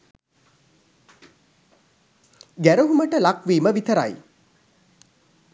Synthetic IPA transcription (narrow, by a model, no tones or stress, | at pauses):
ɡæɾuɦuməʈəlakʋiːməʋit̪əɾa̰j